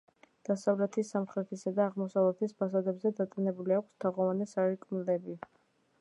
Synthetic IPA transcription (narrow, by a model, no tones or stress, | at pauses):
d̪̥asavlɛt̪ʰisamχɾɛt̪ʰisad̪aːʁmɔsavlɛt̪ʰispʰasad̪ɛbzɛd̪at̪ʼinɛbuliakʰʷst̪ʰaʁɔvanɛsaɾikʼmilɛbi